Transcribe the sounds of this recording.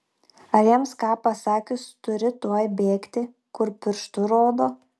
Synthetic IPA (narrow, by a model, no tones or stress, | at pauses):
ɐjiɛmskɑːpɐsɑːkʲʊst̪ʊɾʲɪt̪uɔjbʲeːkt̪ʲɪ | kʊɾpʲɪɾʃt̪ʊɾoːd̪oː